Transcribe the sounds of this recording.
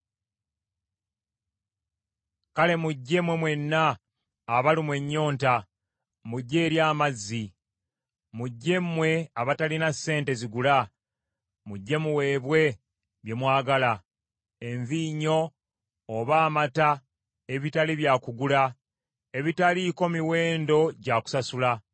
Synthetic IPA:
kale̞muɟːe̞mwe̞mwe̞nːaː | βalimwe̞ɲːo̞ːnta | muɟːe̞ːɾjaːmazːi | muɟːe̞mwe̞aβatalinasːe̞ːnte̞ziɡula | muɟːe̞muwe̞ːβwe̞ | βje̞mwaːɡala | e̞ɱviɲo̞ː | βaːmata | eβitaliβjaːkuɡula | e̞βitaliko̞miwe̞ːndo̞ɟaku̥sasula

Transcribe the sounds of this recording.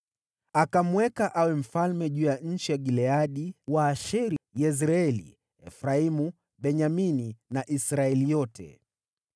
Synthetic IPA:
akamwɛkaʔawɛm̩falmɛʄuːjaɲ̩t͡ʃijaɡilɛaɗiwaːʃiɾijɛs̬ɾaɛlḭ | ɛfɾaimu | ɓɛɲamininaʔisɾaɛlijɔtʰɛ̰

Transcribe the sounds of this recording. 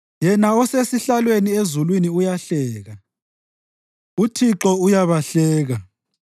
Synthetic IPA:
jɛnaɔsesiɬalweniezulwiniujaɬɛːɣa | utʰiǁɔujaβaɬɛːɣa

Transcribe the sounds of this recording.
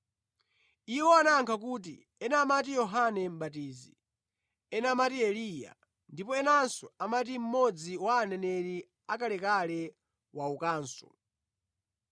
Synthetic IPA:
iwɔanaŋkʰakuːt̬ḭ | ɛnamat̬ijɔɦanɛm̩ɓatiːzi | ɛnamatiɛlija̰ | ndipɔɛnansɔamat̬im̩mɔd͡ziwaːnɛnɛɾi | akalɛkalɛ | waukaːnsɔ̰

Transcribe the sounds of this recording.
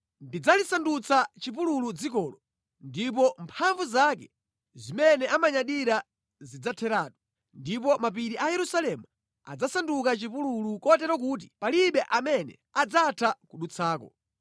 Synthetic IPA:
ndid͡zalisandut͡sat͡ʃipululud͡zikɔlɔ | ndip̬ɔmpʰaɱvuzakɛ | zimɛnɛʔamaɲaɗiɾa | zid͡zatʰɛɾaːɗɔ | ndipɔmap̬iɾiʔajɛɾusalɛmu | a̰d͡zasandukat͡ʃipululukɔtɛɾɔk̬ut̬i̥paliɓɛʔamɛnɛ | ad͡zatʰakuɗut͡sʰaːkɔ̰

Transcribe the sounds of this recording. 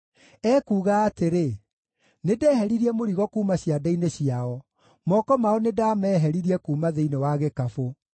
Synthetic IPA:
ɛːkuːɣaːteɾe | nedɛːhɛɾiɾiɛmoɾiɣɔkuːmaɕjadaineɕiaɔ | mɔkɔmaɔnedamɛːɦɛɾiɾiɛkuːmaðeinewaɣekafo

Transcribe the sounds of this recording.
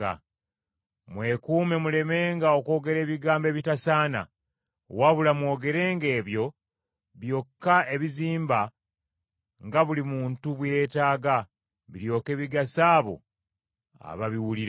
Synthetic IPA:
a̰ | mwe̞kuːme̞mule̞me̞ːŋɡao̞ko̞ːɡe̞ɾe̞ːβiɡaːmbe̞βitasaːna̰ | waβulamwo̞ːɡe̞ɾe̞ːŋɡe̞ːβjo̞ | βjo̞kːae̞βiziːmba | ŋɡaβulimuːntuβwje̞ːtaːɡa | βiɾjo̞ːke̞βiɡasaːβo̰ | a̰βaβiwuliɾ

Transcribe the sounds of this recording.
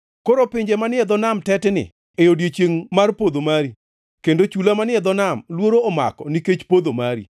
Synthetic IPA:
koɾopɪɲd͡ʒemanɪɛd̪ɔnamtɛtnɪ̰ | ejodjet͡ʃjeŋmarpod̪omaɾi | kendot͡ʃulamanɪɛd̪ɔnamlwoɾoːma̰kɔniket͡ʃpod̪omaɾḭ

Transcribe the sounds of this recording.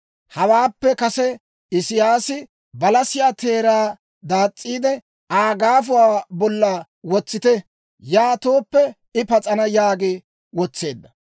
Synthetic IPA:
hɐwaːpːɛkɐsɛ | ɪsɪjaːsɪ | bɐlɐsɪjaːt̪e̞ːɾaː | d̪aːt͡sʼːiːd̪ɛ | aːɡaːfʊwaːbɔlːaː | wɔt͡sːɪt̪ɛ | jaːt̪oːpːɛ | ɪpɐt͡sʼɐnɐjaːɡe | wɔt͡sːe̞ːd̪ːɐ

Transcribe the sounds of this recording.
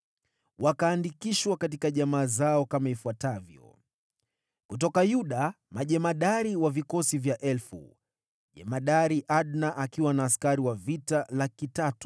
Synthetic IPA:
wakaːndikiʃwakat̬ikaʄamaːzaɔkamaifuatavjɔ̰ | kutɔkajuɗa | maʄɛmaɗaɾiwavikɔsivjaʔɛlfṵ | ʄɛ̰maɗaɾiʔaɗnaʔakiwanaːskaɾiwavitalakitatu̥

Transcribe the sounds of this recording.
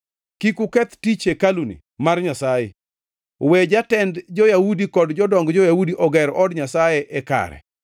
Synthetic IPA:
kikukɛt̪tit͡ʃekalunḭ | marɲasajɛ̰ | wɛd͡ʒatɛndd͡ʒɔjahudikɔdd͡ʒɔdɔŋɡd͡ʒɔjahudiʔɔɡɛɾɔdɲasajeʔɛka̰ɾɛ̰

